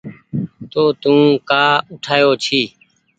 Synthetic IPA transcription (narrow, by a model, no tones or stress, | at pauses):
t̪oːt̪ũːkaːʊʈʰaːjoːt͡ʃʰiː